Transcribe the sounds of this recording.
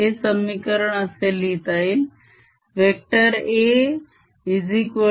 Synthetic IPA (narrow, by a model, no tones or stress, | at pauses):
esəmikəɾəɽ̃ɐseliːt̪aːɦin | ʋeːk̚ʈəɾe | izikʋə